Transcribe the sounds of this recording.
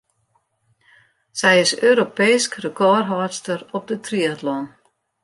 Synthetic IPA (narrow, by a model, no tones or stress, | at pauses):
sɛjɪsøːɾopejskrəkɔrɦɔːstəɾɔp̚dətriətlɔn